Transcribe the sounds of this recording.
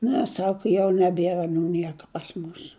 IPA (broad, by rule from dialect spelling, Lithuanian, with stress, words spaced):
ˈnʲɛ ˈsɑːkɐ jɛʊ nʲɛˈbʲeːrɐ ɐˈnuː ˈnʲiɛkɐ pɐs ˈmʊs